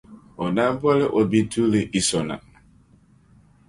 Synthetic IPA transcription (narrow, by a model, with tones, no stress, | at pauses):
o˨na˦ba˦le˦ʔo˨bi˦tʰu˦le˨ʔi˨sɔ˨na̰˨